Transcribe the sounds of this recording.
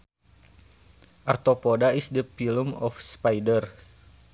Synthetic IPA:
ʔart̪opodaisdəpilumɔfspajdər

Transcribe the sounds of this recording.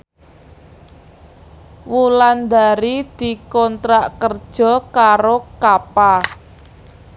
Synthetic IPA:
wuland̪aɾid̪̥i̤kɔnt̪ɾaʔkərd̥ʒ̥ɔ̤kaɾokapa

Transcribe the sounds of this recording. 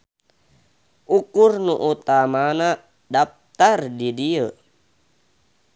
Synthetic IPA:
ʔukurnuʔut̪amana | dap̚t̪ardidiə

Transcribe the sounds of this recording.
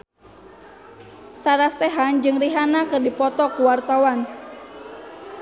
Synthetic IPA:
saɾasɛɦand͡ʒɨŋriɦanakɨrdipɔt̪ɔkuwart̪awan

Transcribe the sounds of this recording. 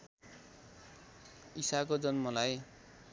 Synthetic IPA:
isakod͡zʌnmʌlaj

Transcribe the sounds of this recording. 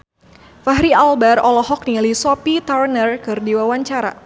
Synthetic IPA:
faɦɾialbɛrɔlɔɦɔk̚nilisɔpit̪arnərkɨrdiwawaɲt͡ʃaɾa̰

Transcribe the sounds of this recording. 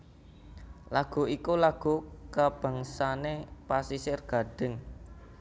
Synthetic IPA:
laɡ̥ṳikulaɡ̥ṳkab̥a̤ŋsanepasisɪrɡ̥a̤ɖ̥ɪ̤ŋ

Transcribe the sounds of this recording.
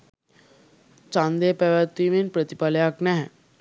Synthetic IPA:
t͡sãnd̪epɛʋat̪iminpɾət̪ipaljaknɛɦɛ̃

